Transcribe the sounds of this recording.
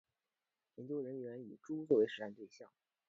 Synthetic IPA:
jɛ˧˥nt͡ɕjo˥ɻə˧˥nɥɛ˧˥ny˨˩ʈ͡ʂu˥t͡swɔ˥˩we˧˥ɪʂɻ̩˧˥t̪a˥˧nt̪we˥˧ɪɕjɑ˥˩ŋ

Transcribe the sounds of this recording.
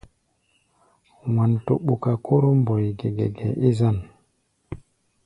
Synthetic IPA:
wa˨nto˨ɓːu˨ka˨kʰo˦ɾɔ˦mbɔ˨jɡɛ˨ɡɛ̰˨ɡɛ˨ʔi˦za˨n

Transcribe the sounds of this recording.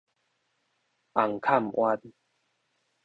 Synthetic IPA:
ʔa˨˩ŋkʰa˥˨mʔwʔa˧n

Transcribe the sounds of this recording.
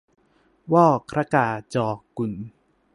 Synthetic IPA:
wɔː˥˩kʰɾa˦˥kaː˧˩t͡ɕɔː˧ku˨˩n

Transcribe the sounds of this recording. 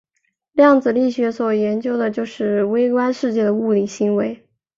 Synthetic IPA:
ljɑ˥˩ŋd͡zɹ̩˩li˥˩ɕɥɛ˧˥swɔ˨˩jɛ˧˥nt͡ɕjo˥ʊd̪ə˨t͡ɕjo˥˧ʊʂɻ̩˥˩we˥ɪkwa˥nʂɻ̩˥˧t͡ɕjɛ˥˩d̪ə˩u˥˩li˨˩ɕi˧˥ŋwe˧˥ɪ

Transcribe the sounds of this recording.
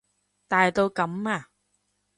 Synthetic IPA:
t̪aː˨˩jt̪o˧jkə˨˩˦mːaː˨˩

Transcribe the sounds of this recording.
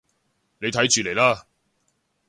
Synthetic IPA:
ne˨˧jt̪ʰɐ˨˥jt͡ʃyː˨le˨˩jlaː˥

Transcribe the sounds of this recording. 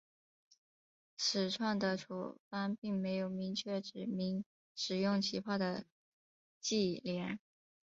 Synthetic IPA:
ʂɻ̩˨˩ʈ͡ʂʰwa˥˩ŋd̪ə˩ʈ͡ʂʰṵ˨˩fa˥npi˥˩ŋme˧˥ɪjo˨˩ʊmi˧˥ŋt͡ɕʰɥɛ˥˩ʈ͡ʂɻ̩˨˩mi˧˥ŋ | ʂɻ̩˨˩jʊ˥˩ŋt͡ɕʰi˧˥pʰa˥˩d̪ə˩ | t͡ɕi˥˩ljɛ˧˥n

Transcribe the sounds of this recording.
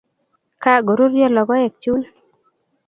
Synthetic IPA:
ka˦˨ɡo˨ɾu˦ɾjɔ˦lɔ˨ɡɔ˦e˨k̚t͡ʃu˦n

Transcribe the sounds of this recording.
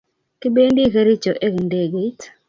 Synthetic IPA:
kɪ˦be˦ndi˦ke˦ɾi˦t͡ʃo˨ʔe˦knde˦˨ɡe˨˦t

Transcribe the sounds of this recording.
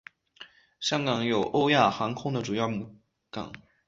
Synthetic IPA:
ɕjɑ˥ŋkɑ˨˩˦ŋjo˨˩ʊʔo˥ʊja˥˩xɑ˧˥ŋkʰʊ˥ŋd̪ə˨ʈ͡ʂu˨˩jɑ˥˩ʊmu˧˥ | kɑ̰˨˩˦ŋ

